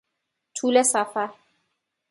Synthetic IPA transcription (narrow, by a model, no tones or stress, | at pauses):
tʰulɛsafa